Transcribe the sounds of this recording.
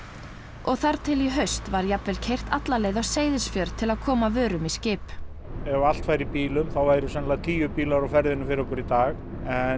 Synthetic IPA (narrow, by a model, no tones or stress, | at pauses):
ɔɣθaɾt̪ʰɪliɦœɥst̪vaɾjapvɛlcʰejr̥t̪at̪laleːjðawseːjðɪsfjœɾt̪ʰɪlaðkʰɔːmavœːɾʏmiscɪːp | ɛal̥t̪faːjɾipiːlʏmθawvaːjɾʏsɛnlat̪ʰiːjʏpiːlawɾawfɛɾðɪnʏfɪɾɔkʊɾit̪aːx | ɛ